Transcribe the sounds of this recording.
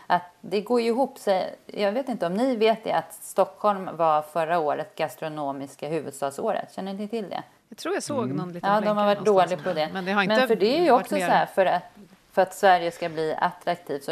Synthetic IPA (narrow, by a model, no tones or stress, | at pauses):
ʔat̪d̪ɛɡoːɾjɪɦuːpːsɛjjɑːɡveːt̪ɪnt̪əɔmnɪveːt̪̚d̪ɛ̰at̪st̪ɔkhɔlmvafœɾaoːɾət̪ɡast̪ɾʊnoːmɪskaɦʉ̟ːvɵd̪st̪ɑːɡso̰ːɾə̰t̪ɕɛnːənɪt̪ʰɪld̪ɛ̰ | at̪ʰɾuːjasoːɡnɔnlɑːd̪ɔmhaɾvaʈd̪oːlɪɡpʰɔd̪ɛd̪ɛɾmɛnfœɖɛæɾjɵɔksɔssɔæɾfœɾat̪ | fœɾat̪svæɾjəskabliːa̰t̪ːɾakt̪ʰiːvt̪sɔ